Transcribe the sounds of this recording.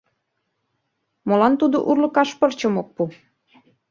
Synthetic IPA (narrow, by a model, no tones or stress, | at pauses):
molɑnt̪ud̪o̰ʔurlɤ̆kɑʃpərt͡ɕəmok̚pu